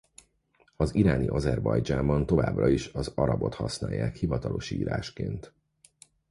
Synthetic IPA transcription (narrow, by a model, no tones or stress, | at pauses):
ɒziɾaːniʔɒzɛrbɒjd͡ʒaːmbɒnt̪o̞vaːbrɒiʃɒzɒɾɒbo̞t̪hɒsnaːjːaːkhivɒt̪ɒlʔo̞ʃḭːɾaːʃkeːnt̪